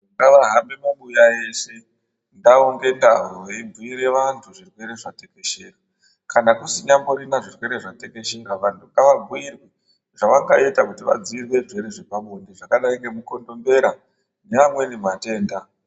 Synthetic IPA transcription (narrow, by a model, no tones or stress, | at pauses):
ŋɡaʋaɦambemaɓujae̞se̞ | ndaoŋɡe̞nda̰ɦoibʱuiɾe̞ʋantʰuʐirwe̞ɾe̞ʐate̞ke̞ʃeːra | kʰanakusiɲambo̞ɾinaʐirwe̞ɾe̞ʐate̞ke̞ʃe̞ɾaʋantʰukaʋabʱuirwe | ʐ̥aʋaŋɡaetakutiʋa̰d͡ziirwe̞ʐeɾeʐe̞paɓondiʐakaɗaiŋɡe̞muko̞ndo̞mbe̞ɾa | ɲamwe̞nemate̞ːnda